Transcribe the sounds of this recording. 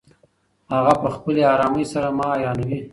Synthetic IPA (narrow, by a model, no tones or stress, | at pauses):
haɣapəxpəleɑɾɑməjsaɾamɑːjɑnawi